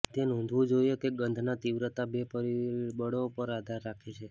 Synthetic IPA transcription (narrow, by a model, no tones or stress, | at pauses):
t̪enɔ̃nd̪ʱʋũd͡ʒoijokeɡənd̪ʱnat̪iʋɾət̪abepəɾibəɽopəɾad̪ʱaɾːakʰet͡ʃʰe